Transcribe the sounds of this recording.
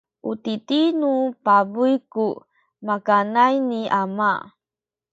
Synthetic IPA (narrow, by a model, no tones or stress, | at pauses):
ʔutitinupabujku | makanajniʔama